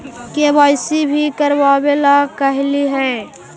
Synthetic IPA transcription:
kebaːɪsibʱikəɾʋaːbelakəɦliɦɛ̃ː

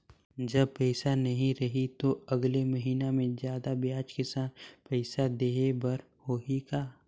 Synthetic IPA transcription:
d͡ʒɐb̚pɛːsanɐɦĩɾɐɦit̪oɐɡlemɐɦiːnamẽzjaːd̪abjaːt͡ʃkɪsaːnpɛːsad̪eːebɐɾ | hoɦikaː

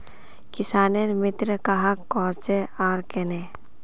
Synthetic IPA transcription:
kɪsaːnenmɪt̪ɾkaɦakːɔːt͡ʃeaːɾkene

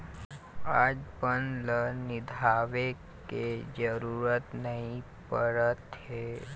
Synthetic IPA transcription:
aːd͡ʒpənlənɪd̪ʱaːʋe | ked͡ʒəɾuːɾət̪nəɦĩ | pəɾət̪ɦeː

